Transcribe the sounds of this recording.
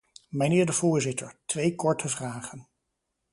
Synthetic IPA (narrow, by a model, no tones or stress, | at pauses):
mənɪːɹdəvʊːɹzɪtʰəɹtʋejkɔɹtʰəvraːχən